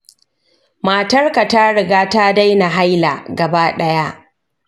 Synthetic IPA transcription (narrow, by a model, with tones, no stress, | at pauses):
ma˨tɐ˦rka˨ta˦ɽɪ˨ɡaː˦ta˦da˦jna˨ɦa˦jla̰ː˨ɡɐ˨baː˦ɗɐ˦ja˦ʔ